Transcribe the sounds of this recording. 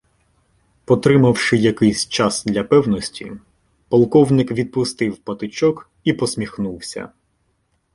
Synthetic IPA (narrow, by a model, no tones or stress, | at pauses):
pɔt̪ɾɪmɐwʃɪjɐkɪjsʲt͡ʃɑsd̪lʲɐpɛwnɔsʲtʲḭ | pɐlˠkɔwnɪkʋʲid̪̚pʊst̪ɪwpɐt̪ɪt͡ʃɔk | ipɔsʲmʲixnuwsʲɐ̰